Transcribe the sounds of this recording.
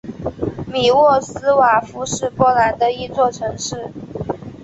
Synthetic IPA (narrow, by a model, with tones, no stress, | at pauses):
mi˨˩wɔ˥˩sɹ̩˥wa˨˩fu˧˥ʂɻ̩˥˩pwɔ˧˥la˧˥nd̪ə˧i˥˧t͡swɔ˥˩ʈ͡ʂʰɤ˧˥ŋʂɻ̩˥˩